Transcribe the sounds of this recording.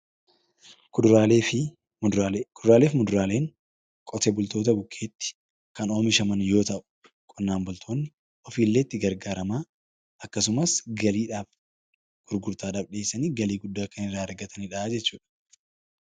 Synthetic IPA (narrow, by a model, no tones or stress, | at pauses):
ɪ | kʊd̪ʊɾaːleːfmʊd̪ʊɾaːle̞ːŋ | kʼɔt̪ɛbʊlt̪o̞ːt̪ɐbʊkʼːe̞ːt̪ːɪ̥ | kɐno̞ːmɪʃɐmɐnjo̞ːt̪ɐʔʊ̥ | kʼɔnːaːmbʊlt̪ʰo̞ːnːɪ | ɔfiːlːeːɪt̪ːɪɡɐɾɡaːɾɐmaː | ɐkːɐsʊmɐsɡɐliːᶑaːf | ɡ̥ʊɾɡʊɾt̪aːᶑaːfᶑe̞ːsːɐniːɡɐliːɡʊd̪ːaːkɐnɪrːaːɐɾɡɐt̪ʰɐnɪᶑaːd͡ʒɛtt͡ʃːuːᶑɐ̥